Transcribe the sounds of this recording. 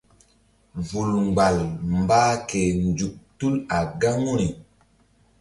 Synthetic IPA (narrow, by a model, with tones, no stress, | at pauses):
vu˨lŋɡ͡ba˨lmbaː˦ke˨nd͡ʒu˨k̚tu˦la˨ɡa˦ŋu˦ni˨